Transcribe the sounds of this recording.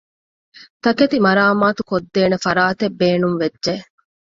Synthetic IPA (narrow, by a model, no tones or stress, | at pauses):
t̪ɐket̪imɐɾaːmaːt̪ukod̪ːeːnefɐɾaːt̪ebːeːnuŋʋedd͡ʒe